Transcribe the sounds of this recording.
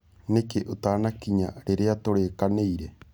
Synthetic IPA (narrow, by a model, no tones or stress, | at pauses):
nekeʔut̪aːnakiɲaɾeɾeat̪oɾeːkanejɾe